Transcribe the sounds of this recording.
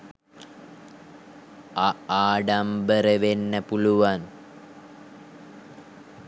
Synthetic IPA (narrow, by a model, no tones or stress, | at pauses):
aaːɖambəɾəʋenːəpuluʋan